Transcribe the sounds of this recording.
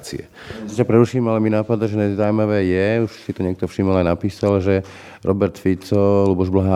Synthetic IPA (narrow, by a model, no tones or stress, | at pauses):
t͡sḭɛ̰ | capɾɛɾuʃiːmalɛminaːpad̪aʒɛnazawmaʋɛːjɛuʃsit̪ɔɲɛk̚t̪ɔfʃimɔlajnapiːsalʒɛ | ɾʔɔbɛɾt̪fit͡sɔlubɔʒblaɦaː